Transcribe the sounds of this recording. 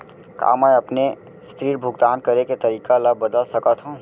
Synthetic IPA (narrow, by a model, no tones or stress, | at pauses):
ka̰ːməjɐpne | st̪ɾiːɾbʱʊɡd̪aːnkɐɾeket̪ɐɾiːkaləbːəd̪əlsɐkat̪ʰɦõː